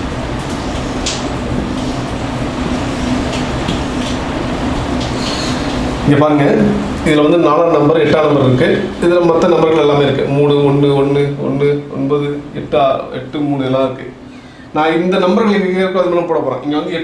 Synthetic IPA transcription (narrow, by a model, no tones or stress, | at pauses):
ɪŋɡepaːɾɯŋɡɐ | ɪðɪlʋɐnd̪ɯnaːlanɐmbɐɾɛʈːaːnɐmbɐɾɪɾɯkːɯɪðɪlɐmɐt̪ːɐnɐmbɐɾɣɐɭɛlːaːmeːɪɾɯkːɯ̰muːɳɯɔɳːɯɔɳːɯɔ̰nːɯɔ̰nbɐðɯɛʈːaɛ̰ʈːɯmuːɳɯɛlːãːɪɾɯkːɯ̰ | nãːɪnd̪ɐnɐmbɐɾɣɐɭɪnkːeɡɐkːuːɐðɯmaːlɐmpoːɽɐpːoːɾḛ̃ːʔɪŋɡeʋɐnd̪ɯɛ